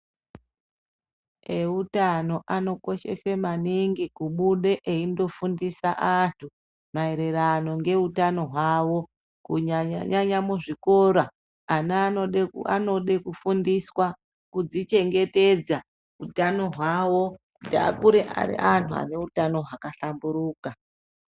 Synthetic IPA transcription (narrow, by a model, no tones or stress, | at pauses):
eutano̞ʔano̞ko̞ʃe̞̰semaniŋɡikuɓuɗe̞ʔeindo̞fundisaʔantʰu | maeɾe̞ɾano̞ŋɡe̞utano̞ɦwawo̞ | kuaɲaɲamuʐikoɾa | an | a̰noɗekufundiswa | kud͡zit͡ʃe̞ŋɡe̞te̞d͡za | utano̞ɦwawo̞ | uda̰kuɾeʔa̰ɾḭantʰua̰ne̞utano̞ɦakaɬambuɾuːka